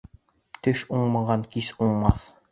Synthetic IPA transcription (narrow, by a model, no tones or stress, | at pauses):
t̪ɘʃuɴmɑʁɑŋkisuɴmɑθ